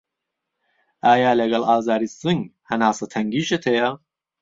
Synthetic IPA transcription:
ʔaːjaːlɐɡɐlaːzaːɾiːsɨŋɡhɐnaːsɐt̪ʰɐŋɡiːʃɨt̪ʰɐjɐ

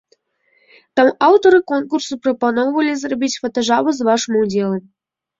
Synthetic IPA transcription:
t̪ɑmɑwt̪oɾɨkonkursuprɔpɐnowvəlʲizrɐbʲitʲfot̪ɐʐɑβəzβɑʂɨmudʲelʲˠum

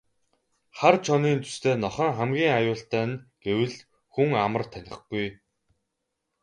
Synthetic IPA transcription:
χart͡ɕʰɔniːnt̪ʰu̥st̪ʰeːnɔχœːŋχæmɡʲiːŋajʊːɬt̪æːnɡ̥ewɘ̆ɮ | xuŋamə̆rt̪ʰænʲɪ̆χɡuj

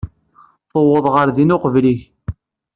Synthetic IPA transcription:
θəwːəðˤʁəɾðinʊqəvliç

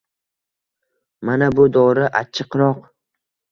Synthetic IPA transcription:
manabʊd̪ɒwɾaʔa̰t͡ʃʰːɨqɾɒq

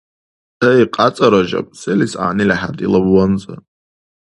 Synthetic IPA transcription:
d̥aiqʼat͡sʼaɾaʒa̰pʼselisa̰ːnilʲaħadʼilabwand͡za̰

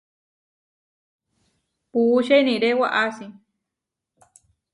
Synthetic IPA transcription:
puːʃeinĩɾewaʔasĩ

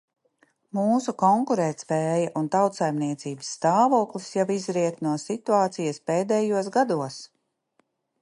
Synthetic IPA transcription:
muːsukɔŋkuɾɛːt̪spɛːjaʔunt̪awt̪sajmniɛt̪siːbə̥sːt̪aːvoːklisjavizɾiɛt̪nuɔsit̪uaːt̪sijaspeːd̪ɛːjuɔsɡad̪uɔs

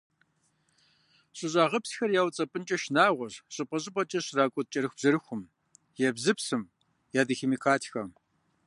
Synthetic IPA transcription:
ɕʼɪɕʼaːʁɐpsxɐrjaːwt͡sʼɐpʼɨnt͡ʃʼɐʃnaːʁʷɔɕɕʼɪpʼɐʑʼɪpʷʼɐt͡ʃʼɐɕraːkʷʼɔt̚t͡ʃʼɐɾɨxbz̥ɐɾɨxʷʊm | jɛbzɨpsɨm | jaːdɐxemiːkʰaːtʰxɐm

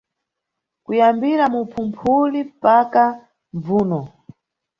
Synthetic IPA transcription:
kujambiɾamupʰumpʰulipaka | ɱvuːnɔ

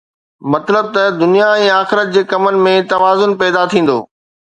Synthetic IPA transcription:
mɐt̪ləb̚t̪ɐd̪ʊnijaɛ̃ːaːxɪɾət̪̚d͡ʑeːkɐmənɪ̆mẽt̪ɐʋaːzʊnpɛːd̪at̪ʰĩːn̆d̪o̰ː

